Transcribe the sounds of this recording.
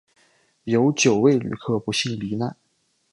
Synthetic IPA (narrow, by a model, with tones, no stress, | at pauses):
jo˧˥ʊt͡ɕjo˨˩ʊwe˥˩ɪly̰˨˩kʰɤ˥˩pu˧˥ɕi˥˩ŋli˧˥na˥˩n